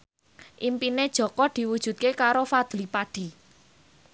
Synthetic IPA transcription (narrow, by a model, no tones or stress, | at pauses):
ʔimpined̥ʒ̥ɔ̤kɔd̪̥i̤wud̥ʒ̥ṳt̪̚kekaɾofad̪̥lipaɖ̥i̤